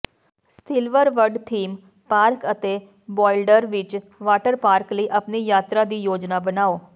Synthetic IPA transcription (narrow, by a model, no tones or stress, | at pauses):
st̪ʰɪlʋəɾʋəɾɖt̪ʰiːm | paːɾkət̪eː | bɔːɪlɖəɾʋɪt͡ʃ | ʋaːʈəɾpaːɾkləiːʔəpniːjaːt̪ɾaːd̪iːjoːd͡ʒnaːbənaːoː